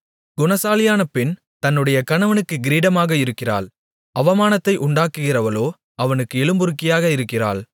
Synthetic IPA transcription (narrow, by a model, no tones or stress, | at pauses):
ɡʊnɐsaːlɪjaːnɐpːɪn | t̪ɐnːɯɽɐjɐkɐnɐʋɐnɯkːɯɡɪɾiːɽɐmaːɣɐɪɾɯkːɪra̰ːɭ | ɐʋɐmaːnɐt̪ːɐɪʔʊɳɖaːkːɯɣɪrɐʋɐloː | ɐʋɐnɯkːɯɛɭɯmbɯɾɯkːɪjaːɣɐɪɾɯkːɪra̰ːl